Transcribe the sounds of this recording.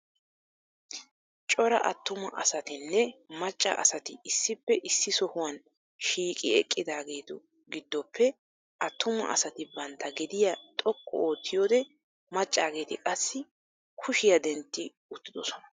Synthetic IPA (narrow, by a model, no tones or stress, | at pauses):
t͡ʃʼɔɾɐ̰ʔɐt̪ːʊmɐʔɐsɐt̪ɪnːɛmɐt͡ʃʼːɐ̰ʔɐ̰sɐt̪ɪɪsːɪpːɛʔɪsːɪsɔhʊwɐn | ʃiːkʼɪɛ̰kʼːɪd̪aːɡe̞ːt̪ɔ | ɡɪd̪ːɔpʰːɛ | ʔɐt̪ːʊmɐ̰ʔɐ̰sɐt̪ɪbɐnt̪ʰːɐɡɛd̪ɪjat̪ʼɔkʼːɔ̰oːt̪ʰːɪjoːd̪ɛ | mɐt͡ʃʼːaːɡe̞ːt̪ɪkʼɐsːɪ | kʰʊʃɪjɐd̪ɛnt̪ːɪ | ʊt̪ːɪd̪ɔsɔnɐ